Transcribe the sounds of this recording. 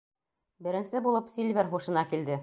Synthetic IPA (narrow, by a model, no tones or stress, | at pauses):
bɘ̆ɾɘ̆nsɘbulˠɤpsilβɘɾχuʃɤ̆nɑkild̪ɘ